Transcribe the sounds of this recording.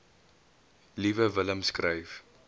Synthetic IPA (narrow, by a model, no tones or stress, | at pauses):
livəvələmskrəjf